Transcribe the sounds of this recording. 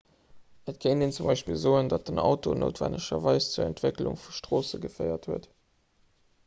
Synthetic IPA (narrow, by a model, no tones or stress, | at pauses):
ət̚kʰeɪndeːnt͡sumbɑɪʃpilzoːəndɑt̚dənɑ̰ʊtono̰ːtv̥æ̰ndəʃɐvɑɪst͡suɐæntv̥eklṵŋfuʃtʁ̥oːsəɡəfɜɪɐthuət